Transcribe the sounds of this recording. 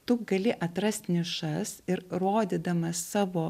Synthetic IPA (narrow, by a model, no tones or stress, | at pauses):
t̪ʊɡɐlʲɪʔɐt̪ɾɐsʲt̪ʲnʲɪʃɐsɪɾɾoːd̪ʲɪd̪ɐmɐssɑːʋoː